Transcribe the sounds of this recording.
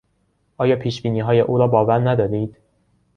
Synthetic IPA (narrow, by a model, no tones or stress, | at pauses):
ʔɒːjɒːpʰiːʃbiːniːɦɒːjeʔuːɾɒːbɒːvæɾnæd̪ɒːd̪iːd̪̥